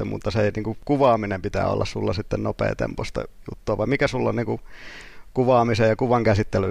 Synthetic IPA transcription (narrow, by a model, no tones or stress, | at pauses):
emṵt̪ːɑseniːŋkukuʋɑːminempit̪æ̰ːo̰lːɑ̰ssulːɑsit̪ːennopḛːt̪ḛmpost̪ɑ̰jṵt̪ːuɑʋɑimmikæsulːonniːŋku | kuʋɑːmisejjɑkuʋɑŋkæsit̪ːely